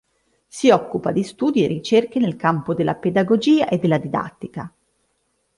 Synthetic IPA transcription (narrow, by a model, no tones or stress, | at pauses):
siɔkːupad̪ist̪uːd̪ierːit͡ʃerkenelkampod̪elːaped̪aɡod͡ʒiːaʔed̪ːelːad̪id̪a̰t̪ːika